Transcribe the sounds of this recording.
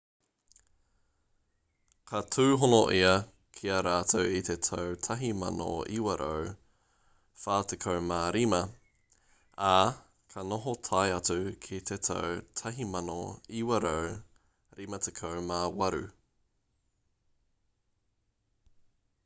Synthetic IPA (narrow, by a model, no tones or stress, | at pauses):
kʰɐtʰʉːɦonoʔiɐ | kʰiɐɾaːtʰowit̪etʰɐwtʰɐɦimɐ̰no̰iwɐɾʔɐ̰w | faːtekʰɐwmaːɾimɐ | a | kʰɐnoɦotʰɐjɐt͡sukʰit̪ʰet̪ʰɐ̰wtʰɐɦimɐno̰iwɐɾəw | ɾimɐtʰekʰɐwmawɐɾʉ̰